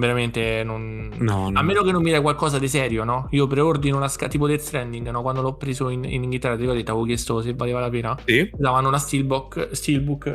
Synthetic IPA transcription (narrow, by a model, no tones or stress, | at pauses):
veɾament̪enon | nɔalmːeːnok̬enːomːid̪ɛkwalkɔːzad̪is̬ɛːɾjonɔiːopɾeord̪inolaskat̪iːp̬od̪elt̪ɾɛnd̪iŋɡnɔkwand̪olɔpːɾeːzoinḭniŋɡilt̪ɛrːad̪ikːɔd̪et̪ːaokjɛst̪osevːaleːvalapeːnasid̪avanːolast̪ilbɔkst̪ilbuk